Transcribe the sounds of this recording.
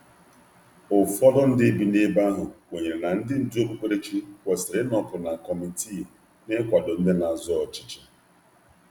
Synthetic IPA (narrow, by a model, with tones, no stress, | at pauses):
ʊ˨fɔ˦dɔ˦n̩˦dɪ˦bi˨ne˦ba˦ɦʊ˨wo˨ɲe˨ɾe˨na˨n̩˦dɪ˦n̩˨dɪ˦o˦bu˦kʷe˦ɾe˦t͡ʃi˦kʷɔ˨sɪ˨ɾe˦nɔ˨pʊ˨na˨kɔ˨mi˨tʰi˦˨ | ne˦kʷa˨do˨n̩˦de˦na˨zɔ˦ɔ˨t͡ʃi̥˦t͡ʃe̥˨